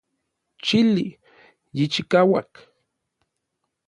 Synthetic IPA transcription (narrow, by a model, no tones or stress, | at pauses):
t͡ʃili | jit͡ʃikawak